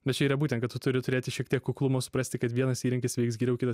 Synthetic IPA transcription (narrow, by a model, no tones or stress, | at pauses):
bʲɛt̪t͡ʃʲɛiːɾɐbuːt̪ʲɛnkɐt̪t̪ʊt̪ʊɾʲɪt̪ʊɾʲeːt̪ʲɪʃʲiɛk̚t̪ʲiɛkːʊklˠʊmoːsʊ̥pɾɐsʲt̪ʲɪkɐt̪ʋʲiɛnɐsiːɾʲɪŋkʲɪsʋʲɛɪksɡʲiːɾʲɛʊkʲɪt̪ɐ